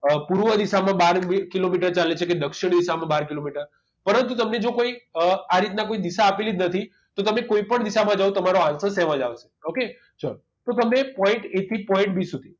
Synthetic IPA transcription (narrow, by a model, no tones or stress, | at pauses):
puɾʋəd̪iʃamãbaɾikilomiʈəɾt͡ʃalet͡ʃʰeked̪əkʃiɽ̃d̪isamãbaɾkilomiʈəɾ | pəɾənt̪ut̪əmned͡ʒokoiaɾit̪nakoid̪iʃaːpilid͡ʒnət̪ʰi | t̪ot̪əmekoipəɳd̪iʃamãd͡ʒaʋũt̪əmaɾoãsəsɛʋãd͡ʒaʋʃe̥oke | d͡ʒə̰ɾ | t̪ot̪əmnepɔ̃ɪ̃ɳʈet̪ʰipɔ̃ĩɳʈ̚bisud̪ʱi